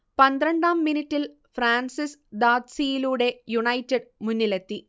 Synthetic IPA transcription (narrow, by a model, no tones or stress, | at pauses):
pɐnd̪ɾɐɳɖaːmːinitːil | fraːnsisd̪aːd̪sijiluːɽe̞juɳɐjtːɐɖmunːile̞t̪ːi